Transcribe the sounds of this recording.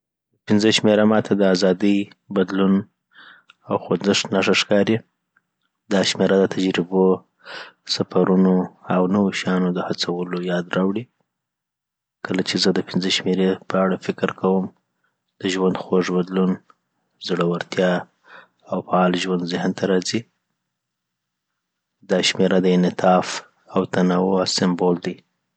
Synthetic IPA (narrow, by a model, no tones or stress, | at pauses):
pɪnzəʃmeɾamɑt̪ʰad̪əazɑd̪əjbad̪lun | awxozɪʂnaʂaʂkɑɾi | d̪ɑʃmeɾad̪ət̪ʰad͡ʒɾɪbo | safaɾunoawnəwoʃɑnod̪əhat͡sawəlojɑd̪ɾɑwɽi | kəlat͡ʃezəd̪əpinzəʃmeɾepʰəaɽafɪkɾkawəm | d̪̥əʒwand̪xoʐbad̪lun | zɽəwaɾt̪jɑ | awfaɑlʒwand̪zɪhnt̪ʰaɾɑzi | d̪ɑʃmeɾad̪əɪnɪt̪ʰɑf | awt̪anawoawsɪmbold̪i